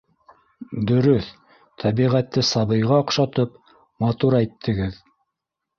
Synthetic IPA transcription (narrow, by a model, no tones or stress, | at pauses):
d̪ɵ̆ɾɵθ | t̪ʰæβiʁæt̪ːɘsɑβɤ̆jʁɑoqʃɑt̪ɤp̚ | mɑt̪uɾæjt̪ʰːɘ̆ɡɘð